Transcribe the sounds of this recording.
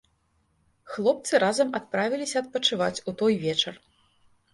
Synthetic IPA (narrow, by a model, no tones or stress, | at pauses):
xlˠɔp̚t̪sɨɾazɐmat̪̚pɾavʲilʲisʲɐɐt̪̚pɐt͡ʂɨvat͡sʲut̪ɔjvʲɛt͡ʂɐr